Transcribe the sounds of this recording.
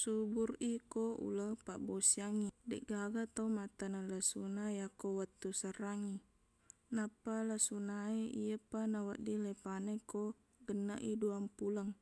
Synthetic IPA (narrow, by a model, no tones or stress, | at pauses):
suburikɔṵləpaʔbosiaŋidɛ̰ʔɡaɡat̪aumat̪analasunajakɔwat̪ːusaraŋi | napalasunaiijəpanawa̰ʔdilepanekɔ | ɡənːaʔiduampulaŋ